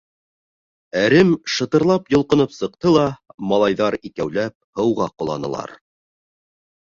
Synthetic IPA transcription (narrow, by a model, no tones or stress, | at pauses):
æɾɘmʃɤ̆t̪ɤ̆ɾlˠɑpjŏlˠqɤ̆nɤpsɤ̆q̚t̪ɤlˠɑmɑlˠɑjðɑɾikæwlæp̚hɤ̆wʁɑqŏlˠɑ̰nɤ̆lˠɑ̰ɾ